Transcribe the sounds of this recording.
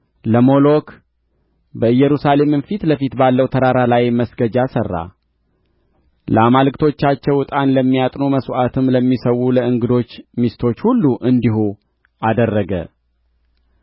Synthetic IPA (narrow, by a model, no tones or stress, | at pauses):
ləmo̞lo̞k | bəɨjːɛɾusale̞mɨnfit̪ləfit̪balːəwt̪ʰəɾaɾalajməsɡəd͡ʒasərːa̰ | ləamalɨkt̪ʰo̞t͡ʃːat͡ʃːɛwɨt̪ʼanləmːijat̪ʼno̞məsʔat̪ʰɨmləmːisəwuləɨŋɡɨd̪o̞t͡ʃːmist̪ʰo̞t͡ʃːhulːuʔɨnd̪ihu | ʔad̪ərːəɡə̰